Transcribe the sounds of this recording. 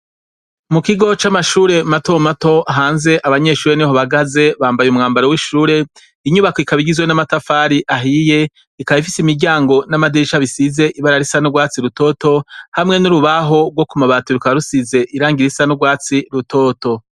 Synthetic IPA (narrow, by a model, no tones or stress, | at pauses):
mukiɡo̞t͡ʃamaʃuːɾe̞matomato̞aɦaːnze̞ʔaβaɲe̞ʃuːɾeniɦoβaɡaze̞βaːmbajumŋaːmbaɾowiʃuːɾe̞ | iɲuβakoikaβiɡizwenamatafaɾiʔaɦije̞ | ikaβifisimiɾɟaːŋɡo̞namadiʃaβisize̞ʔiβaɾaɾisanoɡwaːt͡siɾuto̞ːto̞hamŋe̞nuɾuβaɦo̞ɡwo̞kumaβaːtuɾukaβaɾusize̞ʔiɾaːŋɡiɾisanoɡwaːt͡siɾutoːto̞